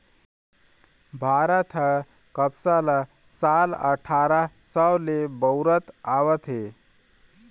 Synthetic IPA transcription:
bʱaːɾət̪ʰə | kəpsala | salə̰ʈʰaɾasəwlebəwɾət̪aʋət̪ɦe

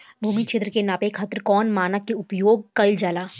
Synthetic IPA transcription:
bʱuːmit͡ʃʰɪt̪ɾəkenaːpekʰɐt̪ɾəkɔːnmaːnakeʊpjoːɡ̚kɐɪld͡ʒaːlaː

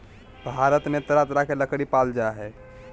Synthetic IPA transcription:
bʱaːɾət̪mẽt̪əɾat̪ɾakeləkɽipaːld͡ʒaɦɛː

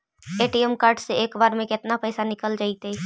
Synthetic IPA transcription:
eʈiemkəɾɖseeːkbaɾmẽkɪt̪napəɪsanikəld͡ʒaːɪt̪əi

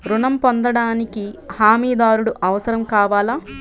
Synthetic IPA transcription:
ɾunɐmpond̪ɐɽaːnikihaːmiːd̪aːɾuɽuʔɐʋɐsɐɾɐmkaːʋaːlaː

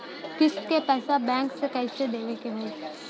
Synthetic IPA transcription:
kɪskepɛːsabɛ̃ːŋksekɐɪsed̪eːʋekeɦoː

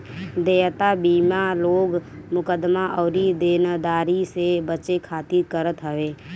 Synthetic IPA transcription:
d̪eːt̪abiːmaloːɡmʊkəd̪maʔɔːɾid̪eːnəd̪aːɾisebət͡ʃekʰaːt̪iɾkəɾət̪ɦəʋeː

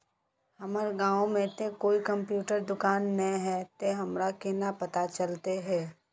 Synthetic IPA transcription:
hɐməɾɡãːõmẽt̪ekoːikɐ̃mpjuːʈəɾd̪ʊkaːnːɐɦɛt̪eɦɐmɾakɪnapɐt̪at͡ʃɐlt̪eɦɛː

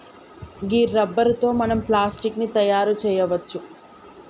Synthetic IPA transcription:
ɡiːɾːɐbːɐɾt̪o̞ːmɐnɐmplaːsʈiknit̪ɐjaːɾut͡ʃɛːjɐʋɐt͡ʃːu

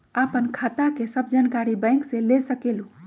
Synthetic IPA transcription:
apənkʰat̪akesəbd͡ʒankaɾibə̃ɪŋkselesəkelũ

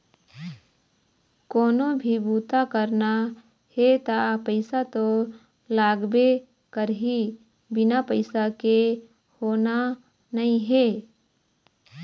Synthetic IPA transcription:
koːnõbʱibuːt̪akəɾna | het̪apəɪsat̪o | laːɡbe | kəɾɦi | bɪnapəɪsake | hoːna | nɐɦĩɦeː

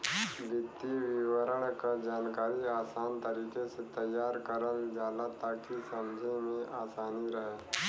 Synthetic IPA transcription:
ʋit̪ːiːʋiʋəɾəɳkəd͡ʑankaɾiːasant̪əɾiːkeset̪əjːaɾkəɾəld͡zalat̪akisəmd͡ʑʱemiʔasaniːɾəɦa

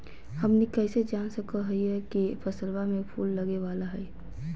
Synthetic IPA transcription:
həmnikɛɪsed͡ʒaːnsəkəɦɛiɛkipʰəsəlwamẽpʰuːlːəɡeʋaːlaɦɛː

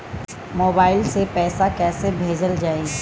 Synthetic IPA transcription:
moːbaːɪlsepɛːsakɛːsebʱeːd͡ʒəld͡ʒaːe

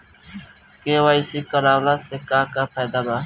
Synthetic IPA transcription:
keːʋaːisiːkəɾaːʋlaːseːkaːkaːpʰaːd̪aːbaː

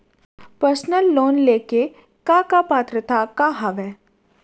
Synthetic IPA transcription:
pəɾsnəlːoːnleːke | kakapaːt̪ɾət̪akaɦɐʋɛː

